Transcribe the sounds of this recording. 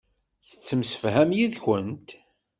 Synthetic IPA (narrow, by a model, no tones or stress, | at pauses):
θə̥t͡sːəmsə̥fɦæmjiðçənt̪